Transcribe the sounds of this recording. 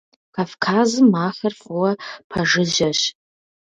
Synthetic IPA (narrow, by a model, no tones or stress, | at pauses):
kʰafkʰaːzɨmːaːχɐrfʊwɐpʰɐʐɨʑɐɕ